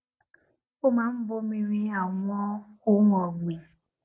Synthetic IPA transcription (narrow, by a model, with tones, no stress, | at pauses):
ʊ˦ma˨m̩˦bo˦mi˦ɾi˦a˨ŋʷɔ˦kʊ˦ŋɔ˨ɡ͡bi˨